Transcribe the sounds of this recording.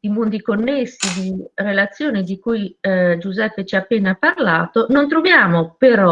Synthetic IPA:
d̪̥imond̪ikonːesːid̪irelat̪sːjoːnid̪ikujd͡ʒuzɛpːet͡ʃiaːpːeːnaparlaːt̪onont̪ɾovjaːmopeɾɔ

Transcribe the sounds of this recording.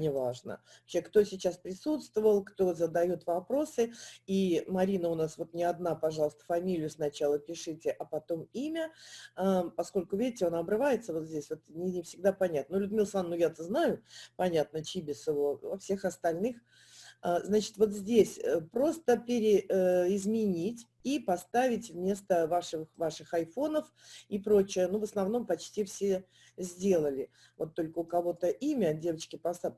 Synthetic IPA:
nʲɪvaʐnə̰ɐpɕekt̪o̞sʲɪt͡ɕːaspɾʲɪsut̪st̪vəvəlˠkt̪o̞zəd̪ɐjo̞t̪vɐpɾo̞sɨimɐɾʲinəʊnasvo̞t̪nʲɪɐd̪napɐʐɑlˠəst̪ə̥fɐmʲilʲɪjʊsnɐt͡ɕalˠəpʲɪʂɨtʲɪʔɐpɐt̪o̞mimʲəapɐsko̞lʲkʊvʲidʲɪtʲɪonaɐbɾɨvajɪt̪səvot̪zʲdʲesʲvo̞t̪nʲɪnʲɪfsʲɪɡ̚d̪apɐnʲat̪nlʲʊd̪mʲɪlˠsanːʊjat̪əznajʊpɐnʲat̪̚nət͡ɕibʲɪsɨvovɐfsʲexɐst̪ɐlʲnɨx | aznat͡ɕɪ̥t̪vo̞t̪zʲdʲesʲəpɾo̞st̪əpʲɪɾʲɪɪzmʲɪnʲitʲ | ipɐst̪avʲɪtʲvmʲe̞st̪əvaʂɨxvaʂɨxɐjfo̞nəf | ipɾo̞t͡ɕɪjənuvəsnɐvno̞mpɐt͡ɕtʲifsʲe | zʲdʲe̞lˠəlʲɪ | vo̞t̪ːo̞lʲkəʊkɐvo̞t̪əʔimʲədʲe̞vət͡ɕkʲɪpɐst̪a

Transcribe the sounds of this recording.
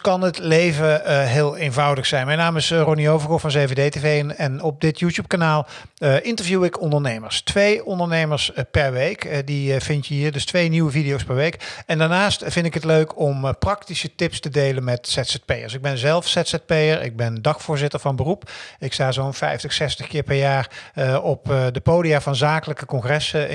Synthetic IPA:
kɑnətlejvəɦɪːlˠenvɑwdəxsɛjnmɛjnaːmɪsroniowvəɹkɔfɑnzejvedejtevejənɛnɔp̚dɪtjuːtjuːp̚kanaːlˠ | ʔɪntəɹvjuwɪkɔndəɹnejməɹstʋejɔndəɹnejməɹspɛɹʋejkdivɪntjəɦiːɹdɵstʋejniwəvidijowspɛɹʋejkɛndaːɹnaːstfɪndɪkɦətløɥkɔmprɑktisətɪpstədejlənmɛtsɛtsɛt̚pejə̰ɹsɪɡ̚bɛnzɛlˠfsɛtsɛt̚pejəɹɪ̰ɡ̚bɛndɑxfʊːɹzɪtəɹvɑnbərupɪkstaːzownfɛjftəχsɛstəχkɪːɹpɛɹjaːɹɔpdəpowdijavɑnzaːkələkəkɔŋχrɛsə

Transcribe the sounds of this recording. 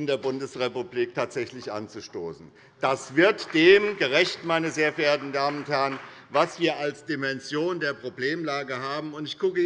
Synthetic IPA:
ɪndeːɐbʊndəsʁepubliːk̚tʰaːtz̥ɛçlɪçʔa̰nt͡suʃtoːsn̩ | d̥asv̥ɪɐtd̥eːmɡəʁɛçtmaɪnəzeːɐfeːɐtn̩daːmənʊnthɛɐʁənvasv̥iːɐalsd̥imɛnzjoːndeːɐpʁ̥obleːmlaːɡəɦaːbm̩ʊntɪçɡ̥ʊkə

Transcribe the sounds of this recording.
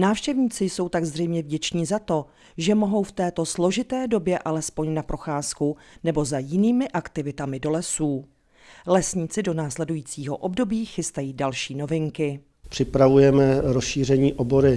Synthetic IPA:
naːfʃcɛvɲiːt͡sɪjso̞wt̪aɡzr̝ɛjmɲɛvɟɛt͡ʃɲiːzat̪o̞ | ʒɛmo̞ɦo̞wft̪ɛːt̪o̞slo̞ʒɪt̪ɛːdo̞bjɛʔalɛspo̞ɲnapɾo̞xaːskunɛbo̞zajɪniːmɪʔakt̪ɪvɪt̪amɪdo̞lɛsuː | lɛsɲit͡sɪdo̞naːslɛdujiːt͡siːɦo̞̰ʔobdo̞biːxɪst̪ajiːdalʃiːno̞vɪŋkɪ | pr̥ɪpɾavujɛmɛɾosʃiːrɛɲiːʔoboɾɪ

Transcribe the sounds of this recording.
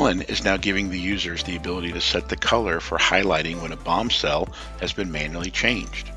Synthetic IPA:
lˠə̃nɪ̰znaʊɡɪvɪ̃ŋðɨjʉzə˞zðiɨbɪlˠəɾiɾɨsɛt̪̚ðɨkʰʌlˠə˞fə̰˞haɪlaɪɾɪ̃ŋwə̃nəbɑ̃msɛlˠ | hɨzbɨ̃nmæ̃njl̩ˠit͡ʃʰẽɪ̃nd͡ʒd̥

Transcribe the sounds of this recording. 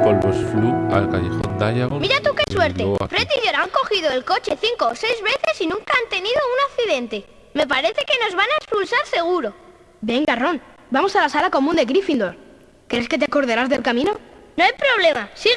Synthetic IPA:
olbosflua̰lka̰ʎḛxo̰nd̪aʎaɣomiɾat̪ukeswe̞ɾt̪efɾet̪iʝoɾaŋko̞xiðoelko̞t͡ʃe̞θiŋko̞se̞jzβe̞θe̞sinũŋkaant̪e̞niðo̞unakθiðe̞nt̪e̞ | me̞paɾe̞θe̞ke̞no̞zβanaekspulsaɾse̞ɣ̞uɾo̞ | be̞ŋɡaro̞n | bamo̞salasalako̞mũnd̪e̞ɣɾifind̪o̞ɾ | keɾeske̞t̪̬eako̞ɾðe̞ɾazðe̞lkamĩno̞noajpɾo̞βle̞masiɣ

